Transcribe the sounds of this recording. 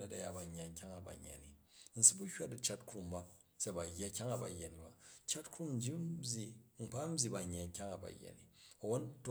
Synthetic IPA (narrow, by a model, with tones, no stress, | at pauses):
nɐ˦ta˨ja̰˨ba˨ɲːa˨ŋ˦kʲa˦ŋa˨ba̰˨ɲː˨a̰˨ni˨n̩˨˦su˦bu˦hʲwa˦t̚i˨t͡ʃa˦tkɾu˨mba˦ | se˦˨ba˨ja˦kʲa˦ŋa˨ba̰˨jːa˨ni˨ba˨t͡ʃa˦tkɾu˦mn̩˦d͡ʒi˦bʲi˨m̩˨k͡pa˦m̩˦bʲi˨ba˨ɲː˨a˨ŋ˦kʲa˦ŋa˨ba̰˨jːa̰˨ni˨o˨wo˦nt